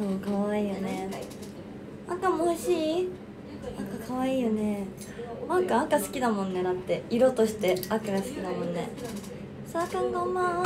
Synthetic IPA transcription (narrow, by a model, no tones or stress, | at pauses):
soːkaβaiːjo̞ne̞ | akamoiɕiː | akakʰaβaiːjone̞ | makaakasɨ̥kʲid̪amõnːe̞d̪at̪ːe̞iɾo̞t̪o̞ɕi̥t̪e̞akaɡasɨ̥kʲinamõ̞nːe̞̰ | sakãŋɡoma